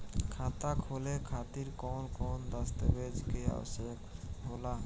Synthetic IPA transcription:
kʰaːt̪akʰoːlekʰaːt̪iɾkɔːnkɔːnd̪əst̪əbeːd͡ʒkea̰ʋə̰sjəkɦoːlaː

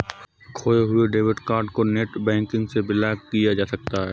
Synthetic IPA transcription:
kʰoːeɦʊeɖeːʋɪʈkaːɾɖkoneːʈbɛ̃ːŋkɪ̃ŋɡsebɪlaːɡkijad͡ʒaːsɐk̚t̪aɦɛː

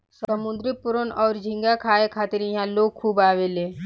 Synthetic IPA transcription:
səmʊ̃nd̪ɾɪpʊɾənɔːɾd͡ʒʱɪ̃ŋɡakʰaːekʰaːt̪ɪɾĩɦãloːɡ̚kʰuːbaːʋeleː

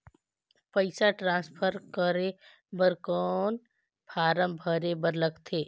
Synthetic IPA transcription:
pəɪsaʈɾãːspʰəɾkəɾe | bəɾkɔːn | pʰaːɾə̃mbʱəɾebəɾləɡt̪ʰeː

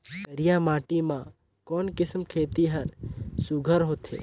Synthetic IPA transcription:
kəɾɪjamaːʈimã | kɔːnkɪsmkʰeːt̪iɦəɾsʊɡʱəɾɦoːt̪ʰḛː

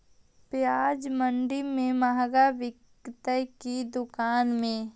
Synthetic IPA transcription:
pjaːd͡ʒmə̃ɳɖimẽmaɦɡaʋɪɡ | t̪əjkid̪ʊkaːnmẽ

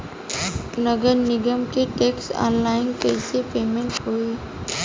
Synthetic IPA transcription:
nəɡəɾnɪɡəmkiʈeːksɔ̰ːnlaːɪnkɛɪsepeːmẽɳʈɦoːiː

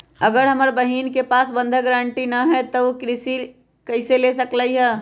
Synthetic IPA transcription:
əɡəɾɦɐməɾbəɦiːnkepaːsbə̃nd̪ʱəɡɾaːɳʈinɐɦɛt̪əkɾɪsi | kəɪselesəkləiɦɛː

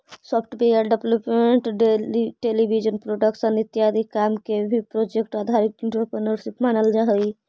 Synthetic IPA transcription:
sɔpʰʈbejəɾɖebləpmeɳʈɖeʈelibʱid͡ʒənpɾoɖəkʃənit̪jad̪ʱikamkebʱipɾod͡ʒek̚ʈaːd̪ʱaɾik̪ɪ̃ɳʈɾəpɾənəɾʃipmaːnəld͡ʒaɦəi

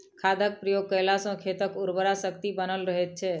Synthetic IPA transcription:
kʰad̪ək̚pɾijoɡ̚kəjlasõkʰet̪əkʊɾbəɾasəkt̪ibənəlɾəɦet͡ʃʰe

